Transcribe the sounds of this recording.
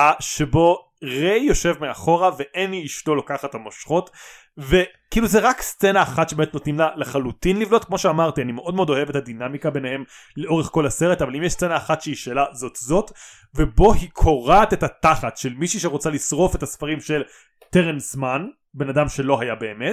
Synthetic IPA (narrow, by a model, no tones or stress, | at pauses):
aʃe̞bo̞ | ʁejjo̞ʃe̞vmeaχo̞ʁaveʔeniiʃto̞lakaχathamoʃχo̞t | ve̞ | kiːluzeʁakst͡senaːχatʃebemetnotnimlaleχalutinlivnotkmo̞ʃeamaʁtianimeʔo̞d̪meodo̞ɦevetadinamikabe̞nehe̞m | leʔo̞ʁeχko̞lase̞ʁetavalimjeʃst͡senaːχatʃeiʃeːlazo̞tzo̞t | vebo̞hikʰo̞ʁatetataχatʃelmiʃiʃeʁot͡salisʁo̞fe̞tasfaʁimʃel | teʁenzman | benadamʃe̞lo̞ɦajabe̞ːmet